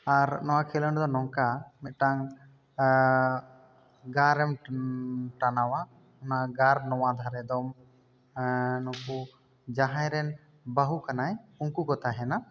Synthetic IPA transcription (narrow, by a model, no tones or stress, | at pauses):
aɾnɔwakʰɛlənd̪ɔnɔŋkamɛt̪̚ˀʈaŋ | ɡaɾɛm | ʈanawa | ɔnaɡaɾnɔwad̪ʱaɾɛd̪ɔm | nɔbu | d͡ʒaɦãjɾɛn | baɦukanajuŋkukɔt̪aɦɛna